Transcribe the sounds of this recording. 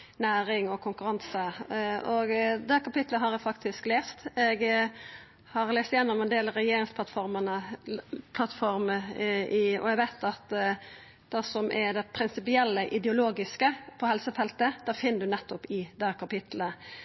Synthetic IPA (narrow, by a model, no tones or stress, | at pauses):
næːɾɪŋɔkʰʊŋkʉɾɑnsəɔɡd̪æːkɑpɪt̪ləɦɑɾɛɡfɑkt̪ʰɪskleːst̪ɛɡ | hɑɾleːst̪ɪjɛnːʊmɛnd̪eːlɾɛjeːɾɪŋsp̪ʰɑt̪fɔɾmənə | pʰlɑt̪ːfɔɾməɪɔ̰ɛɡʋæɪt̪ɑt̪ | d̪̥ɛsɔmʔɛɾd̪ɛpʰɾɪnsɪpɪɛlːəʔɪd̪ɛʊloːɡɪskəpʰɔhɛlsəfɛlt̪əd̪̥æːfɪnːəd̪ʉnɛt̪ːɔpɪd̪æːkʰɑpɪt̪ʰlə